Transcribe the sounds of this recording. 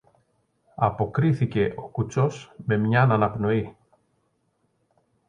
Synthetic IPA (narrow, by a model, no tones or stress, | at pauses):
ɐpo̞kɾiθice̞ʔo̞kut͡so̞sme̞mɲɐnɐnɐpno̞i